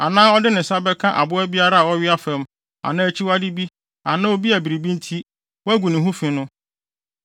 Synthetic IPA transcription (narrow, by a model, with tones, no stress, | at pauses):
a˨nãː˦ɔ˦dɪ˦nɪ̃˨sa˦bɛ˦kʰã˦ʔa̰˨bʊ˦æ˦bi˦a˦ɾa˦a˨wɔ˦ɥɪ˦a˦fɛ̃˨m | a̰˨nãː˦æ˦t͡ɕʰi˦wa˦di˦bi˦ | a˨nã˦o˦bi˦æ˨bi˨ɾi˨bĩ˦n̩˦tʰi˦ | wɔ˦æ˦ɡʷu˨nɪ̃˨ɦũ˦fɪ̃˨nʊ̃˦